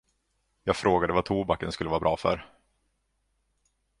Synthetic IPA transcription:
jɑːɡfɾoːɡad̪əvat̪ʰuːbakːənskɵlːəvɑːɾabɾɑːfœ̰ɾ

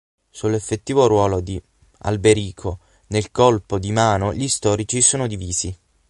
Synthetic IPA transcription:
sulːefːet̪ːiːvoɾwɔːlod̪i | a̰lbeɾiːkʰo | nelkɔlpod̪imaːnoʎist̪ɔːɾit͡ʃisoːnod̪iviːzi

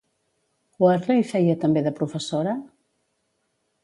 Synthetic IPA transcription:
waɾrejfɛjət̪əmbeðəpɾufəsoɾɐ

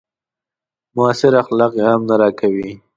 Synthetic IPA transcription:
mʊasɪɾaxlɑqjehamnaɾɑkawi

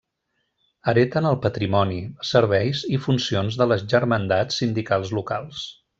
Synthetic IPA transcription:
əɾet̪ənəlˠpət̪ɾimɔnisəɾβ̞ɛjzifunsionzðələzʒəɾmənd̪at͡sːind̪ikalˠzlukalˠs

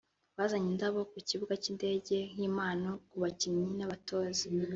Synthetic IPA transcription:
βaːzaɲindaβo̞kuciβuɡaciːnde̞ːɟe̞hiːmaːnokuβaciɲinaβatʰo̞ːzi

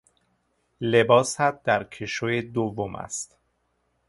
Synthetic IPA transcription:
le̞bɒːshæt̪̚d̪æɾcʰeʃojed̪ovːomʔæ̰st̪

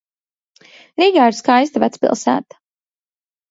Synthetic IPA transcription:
ɾiːɡaːiɾskajst̪avæt̪spḭlˠsæ̰ːt̪ḁ

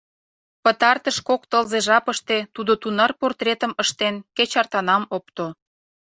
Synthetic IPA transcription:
pət̪ɑrt̪əʃkok̚t̪əlzeʒɑpəʃt̪et̪ud̪ot̪unɑrport̪ret̪ə̆məʃt̪enket͡ɕɑrt̪ɑnɑmop̚t̪o

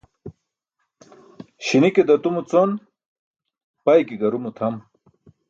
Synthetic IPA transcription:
ɕiniked̪ɐt̪umut͡son | pɐjkiɡɐɾumut̪ʰɐm

